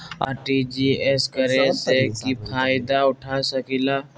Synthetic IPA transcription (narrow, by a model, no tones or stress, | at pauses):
a̰ːɾʈid͡ʒieskɐɾesekipʰaːjɪd̪aʊʈʰasəkilaː